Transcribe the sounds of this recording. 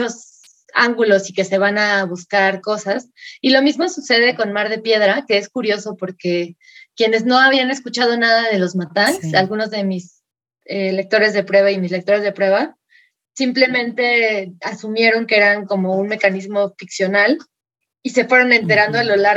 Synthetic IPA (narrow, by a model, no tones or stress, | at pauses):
o̞s | a̰ŋɡulo̞sike̞se̞β̞anaβuskaɾko̞sas | ilo̞mizmo̞suse̞ð̞e̞ko̞nmaɾð̞e̞pje̞ð̞ɾake̞eskuɾjo̞so̞po̞ɾke̞ | kje̞ne̞zno̞aβiane̞skut͡ʃað̞o̞nað̞að̞e̞lo̞zmat̪aŋksalɣuno̞zðe̞mis | ele̞k̚t̪o̞ɾe̞zð̞epɾwe̞βaimisle̞k̚t̪o̞ɾe̞zðe̞pɾwe̞βa | simple̞mẽ̞nt̪e̞asumje̞ɾo̞ŋkee̞ɾaŋko̞mo̞unme̞kanizmo̞fiksjo̞nal | ise̞fwe̞ɾo̞nẽ̞nt̪e̞ɾand̪o̞alo̞la